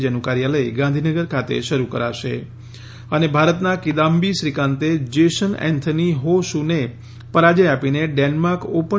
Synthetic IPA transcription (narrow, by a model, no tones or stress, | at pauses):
d͡ʒənukaɾjaləiɡãnd̪ʱinəɡəɾkʰat̪ḛʃəɾukəɾaʃḛ | ənebʱaɾət̪nakid̪ambiʃɾikãnt̪ed͡ʒeʃənɛ̰̃nt̪ʰəniɦoʃune | pəɾad͡ʒəjapineɖɛnmaɾkopə